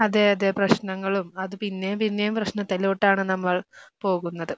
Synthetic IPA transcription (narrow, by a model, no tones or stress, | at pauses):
ɐðeɐðeprɐɕnɐŋːɐɭumɐðɨpinːejpinːejumprɐɕnɐt̪ːɐloːʈːaːɳɨnɐmːɐɭpo̞ːɣunːɐðɨ